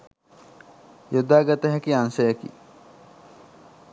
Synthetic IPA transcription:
jod̪aːɡɐt̪ɐɦækiansɐjɐkḭ

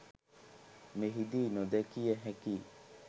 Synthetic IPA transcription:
meɦid̪iːnod̪ɛkijəɦɛki

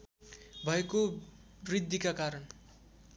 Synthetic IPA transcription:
bʱʌeko | rid̪ːikakaɾʌn

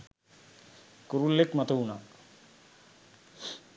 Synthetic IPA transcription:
kuɾulːekmɐt̪ʰuunak

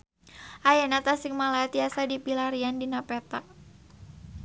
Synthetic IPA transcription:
ʔajanat̪asɪŋmalat̪iasadipilaɾiandinapɛt̪aʔ

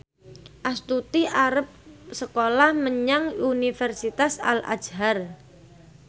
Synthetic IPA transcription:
ʔast̪ut̪iʔaɾəp̚səkolahməɲaŋunifɛrsit̪asa̰la̰̥d͡ʒɦar

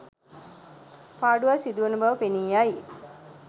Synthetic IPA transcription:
paːɖuʋasid̪uʋənəbɐʋəpeniːjaji

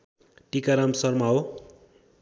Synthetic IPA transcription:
ʈikaɾamsʌrmaɦo

